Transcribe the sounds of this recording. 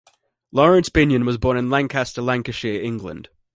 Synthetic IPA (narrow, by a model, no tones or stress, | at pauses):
lɒɹə̃nsb̥ɪ̃njə̃nwɒzbɔːnɪ̃nlãŋkʰastəlãŋkəʃɪɪ̃ŋɡlə̰̃nd̥